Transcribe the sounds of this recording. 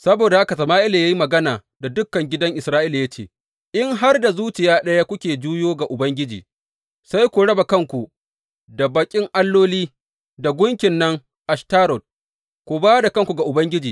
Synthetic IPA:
sɐ˦boː˨da˨a˦ka˨sɐ˨maː˦ʔɪ˦la˨ja˦ji˦mɐ˨ɡɐ˦naː˨ | da˨dʊ˦kːɐ˨ŋɡʲɪ˦dɐ˦ŋʔɪ˨sɾaː˦ʔɪ˦la˨ja˦t͡ʃḛː˨ | ʔɪ˦ŋɦa˦rda˨zuː˦t͡ʃɪ˨jaː˦ɗɐ˦ja˦kʷʊ˦kʲeː˨d͡ʒuː˦joː˦ɡa˨ʔʊ˨bɐ˦ŋɡʲɪ˦d͡ʒḭː˨ | sa˦jkʷu˨ɽɐ˦ba˨kɐ˦ŋkʷu˨ | da˨baː˨kʲʼɪ˦ŋʔa˦lːoː˦liː˦ | da˨ɡʷʊ˦ŋkʲɪ˨nːɐ˦ŋ | ʔa˨ʃtaː˦ɾɔ˨t̚ | kʷu˨baː˦da˨kɐ˦ŋkʷu˨ɡa˨ʔʊ˨bɐ˦ŋɡʲɪ˦d͡ʒiː˨

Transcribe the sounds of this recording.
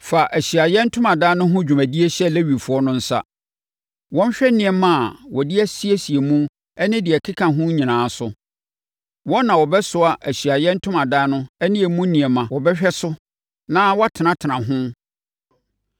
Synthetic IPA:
fa˨ʔæ˨ɕi˨a˨jɛ˦n̩˦tʰʊ̃˦mã˨daː˦nʊ̃˦ɦʊ̃˦d͡ʑᶣu˨mæ̃˨di˦e˦ɕɛ˦˨le˦ɥi˨fʊ˨˦ɔ˦nʊ̃˦n̩˦sa̰˦ | wɔ̃˦ɲ˦ɕᶣɛ˦nɪ̃˨ɛ˨mã˦˨wɔ˨dɪ˦æ˦si˦e˦si˨e˨mũ˦ | ɛ˦nɪ̃˦dɪ˨ɛ˨kʰɪ˦kʰã˨ɦʊ̃˦ɲĩ˨nãː˨˦sʊ˨˦ | wɔ˦nːã˨wɔ˨bɛ˦sʊ˦a˨ʔæ˨ɕi˨a˨jɛ˦n̩˦tʰʊ̃˦mã˨daː˦nʊ̃˦ɛ˦nɪ̃˦e˨mũ˦nĩ˨ɛ˨mã˨wɔ˨bɛ˦ɕᶣɛ˦sʊ˦ | nã˦wɔ˦tʰɪ˨nã˦tʰɪ˨nã˨ɦʊ̃˦

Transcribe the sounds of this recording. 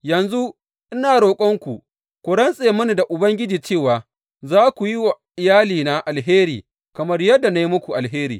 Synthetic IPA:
jɐ˨nzu˦ | ʔɪ˦naː˨ɽoː˨kʷʼɔ˦ŋkʷu˨ | kʷʊ˨ɽɐ˦nsʼeː˨mʊ˦ni˨da˨ʔʊ˨bɐ˦ŋɡʲɪ˦d͡ʒiː˨t͡ʃeː˦˨waː˨ | zaː˦kʷu˨ji˦wa˨ʔɪ˨jaː˦liː˨na˨ʔa˨lɦeː˦ɾiː˨ | kɐ˨mɐ˦rjɐ˦dːa˨na˦ji˦mʊ˦kʷu˨ʔa˨lɦeː˦ɾḭː˨

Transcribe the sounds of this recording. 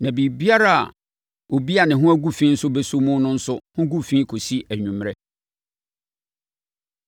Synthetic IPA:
nã˨bi˨bi˦a˦ɾa˦˨a̰˨ | o˨bi˦a˨nɪ̃˨ɦʊ̃˦æ˦ɡu˦fĩ˦n̩˦sʊ˦be˦su˦mũ˦nʊ̃˦n̩˦sʊ˦hʊ̃˦ɡu˦fĩː˦kʰo˨si˦ʔæ˨ɲũ˨mɾɛ˦

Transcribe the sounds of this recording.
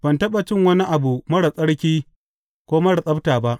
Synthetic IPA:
bɐ˨ntɐ˦ɓɐ˨t͡ʃɪ˦ŋwɐ˦ni˦ʔa˨bu˨mɐ˦ɽa˨sʼɐ˦ɽkʲiː˦ | kʷoː˦mɐ˦ɽa˨sʼɐ˦taː˨ba˦ʔ

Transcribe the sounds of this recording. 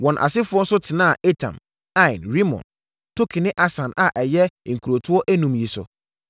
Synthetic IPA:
wɔ̃˨nʔa̰˨sɪ˦fʊ˦ɔ˦n̩˦sʊ˦tʰɪ˨nã˦a˨e˦tʰã̰˨m | ã˦ɪ̃˨nɾi˦mɔ̰̃˨n | tʰo˦kʰɪ˨nɪ̃˦ʔa˦sã˨na˨ʔɛ˨jɛ˦˨ŋ̩˨kʰu˨ɾo˨tʰʊ˦ɔ˦ʔæ˦nũ˨mji˨sʊ̰˨

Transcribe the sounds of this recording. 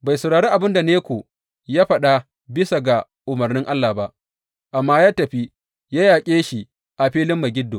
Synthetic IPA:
ba˨jsɐ˨wɽaː˨ɽeː˦ʔa˨bɪ˦nda˨neː˦kʷoː˨ | jaː˦ɸɐ˦ɗa˦ | bɪ˦sa˨ɡa˨ | ʔʊ˨mɐ˨rnɪ˦ŋʔa˦lːa˨ba˦ʔ | ʔa˨mːaː˦jaː˦tɐ˨ɸi˦ | ja˦jaː˨kʲʼeː˦ʃi˨ | ʔa˨ɸiː˦lɪ˦mːa˨ɡʲɪ˦dːoː˨

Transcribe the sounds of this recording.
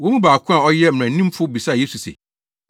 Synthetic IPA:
wɔ˦mũ˦baː˨kʰʊ̃˦a˨ɔ˦jɛ˦m̩̃˨ã˨˦ĩ˦m˦fʊ˦bi˨sa˦˨je˦su˨sḛ˨

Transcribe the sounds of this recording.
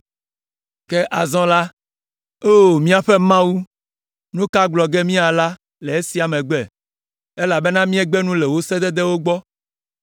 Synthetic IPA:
ke˦ʔa˨zɔ̃˦la˦ | o˦˨mĩ˦a˨ɸe˦mã˦wu˦ | nũ˦ka˦ɡ͡blɔ˨ɡe˦mĩ˦a˨la˦ | le˨e˦si˦a˨mẽ˨ɡ͡bɛ˨ | e˦la˨be˦nã˦mĩ˦e˦ɡ͡be˦nũ˦le˨wo˦se˦d̪ɛ˦d̪e˦wo˦ɡ͡bɔ˦

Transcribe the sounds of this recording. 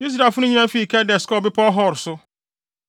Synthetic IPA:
ji˦s̬ɾa˨fʊ˦nʊ̃˦ɲĩ˦ã˦fi˦˨kʰɛ˦dɛ˨skɔ˦˨bɪ˦pʰɔ˦ɦɔ˦˨ɾsʊ˦

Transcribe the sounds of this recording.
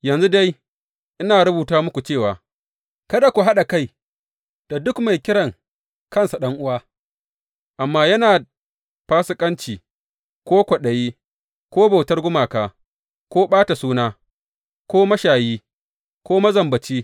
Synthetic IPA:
jɐ˨nzu˦da˦j | ʔɪ˦naː˨ɽʊ˦buː˨taː˦mʊ˦kʷu˨t͡ʃeː˦˨waː˨ | kɐ˦da˨kʷu˨ɦa˦ɗa˨ka˦˨j | d̥a˨dʊ˦kma˨jkʲɪ˦ɽɐ˨ŋ | kɐ˦nsa˨ɗɐ˦ŋʔʊ˦waː˦ | ʔa˨mːaː˦jɐ˦naː˨ | paː˦sʊ˦kʼɐ˦nt͡ʃiː˨ | kʷoː˦kʷɐ˨ɗɐ˨jiː˦ | kʷoː˦ba˨wtɐ˦rɡʷʊ˦maː˨kaː˨ | kʷoː˦ɓaː˦ta˨suː˦naː˦ | kʷoː˦mɐ˦ʃaː˨jiː˦ | kʷoː˦mɐ˦zɐ˨mbɐ˨t͡ʃiː˦

